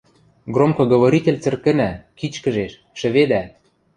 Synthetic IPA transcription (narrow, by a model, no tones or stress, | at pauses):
ɡromkɤ̆ɡɤ̆βoɾʲit̪ʲelʲt͡sɘ̆rkɘ̆nækit͡ɕkɘ̆ʒeʃ | ʃɘ̆βed̪æ